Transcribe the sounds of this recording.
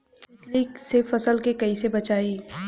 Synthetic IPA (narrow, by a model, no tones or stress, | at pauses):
ɪt̪liːksefɐsəlkekɐisebɐt͡ʃaːiː